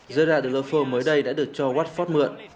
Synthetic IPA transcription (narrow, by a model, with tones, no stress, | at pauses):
zəː˧ɗaː˨˧˩ɗ̪̚ːləː˧˩fo˧˩məː˨˦jɗə˧jɗa̰ː˧˥ɗɨ˨˩ək̚t͡ɕɔ˧waː˦˥t̚fɔ˦˥t̚mɨ̰˧˨ən